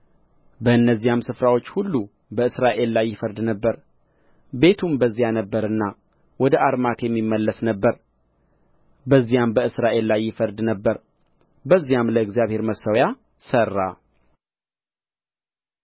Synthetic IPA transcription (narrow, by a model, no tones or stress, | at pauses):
bəɨnːəzːijamsɨfɾawo̞t͡ʃːhulːu | bəɨsɾaʔe̞lːajːɪfəɾd̪nəbːəɾ | be̞t̪ʰumbəzːijanəbːəɾɨnːa | wɔd̪əʔaɾmak̪jɛmːimːəlːəsnəbːəɾ | bəzːijambəɨsɾaʔe̞llajːɪfəɾd̪nəbːəɾ | bəzːijamləɨɡzjaβhe̞ɾməsəwja | sərːa